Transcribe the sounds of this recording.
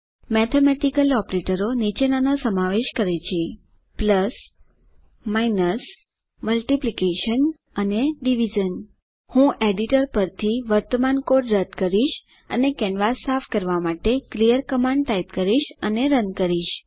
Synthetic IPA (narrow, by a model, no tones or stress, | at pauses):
mɛt̪ʰemɛʈikəlɔpɾeʈəɾonit͡ʃenanosəmaʋeʃkəɾet͡ʃʰi | pləs | mainəs | məlʈiplikeʃən | əneɖiʋid͡ʒən | hũʔeɖiʈəɾpəɾt̪ʰiʋəɾt̪əmankoɖɾəd̪kəɾiʃ | ə̰nekɛnʋasafʰkəɾʋamaʈeklijəɾkəmãɳɖ̚ʈaipkəɾiʃəneɾənkəɾiʃ